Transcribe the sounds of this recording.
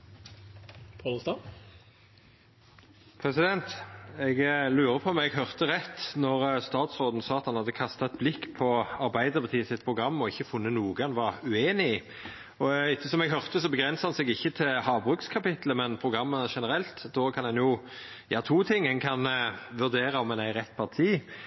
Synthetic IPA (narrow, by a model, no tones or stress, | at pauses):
pʰɑlst̪ɑ | pʰɾɛsɪd̪ɛnt̪ɛɡlʉːɾəpʰɔmɛɡɦœʁt̪əʁɛt̪ːnɔʁst̪ɑːt̪sɾoːd̪n̩sɑːɑt̪hɑnhɑd̪ːəkʰɑst̪ɑt̪̚blɪkːpʰɔɑɾbæɪd̪əɾbɑt̪ʰiːsɪt̪̚pʰʁʊɡɾɑmːɔɪçːəfʊnːənuːɡɑnʋɑʁʉeːnɪ | ɔɪçːəsɔmɛɡɦœʁt̪əsɔbəɡʁɛnsəhɑnsɛɡɪçːət̪ʰɪlhɑːʋbʁʉːkskʰɑpɪt̪ləmɛnpʰɾʊɡʁɑmːəʂɛnəɾɛlt̪d̪oːkʰɑnhɛnjʊ | jɑ̰ːt̪ʰuːt̪ʰɪŋːhɛnkʰɑnʋʉʁd̪eːɾɑɔmɛnæɪɾɛt̪ːpʰɑʁt̪ʰiː